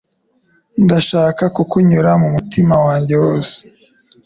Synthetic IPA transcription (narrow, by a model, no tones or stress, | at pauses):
ndaʃaːkakukuɲuɾamumutimawaːɲɟe̞woːse̥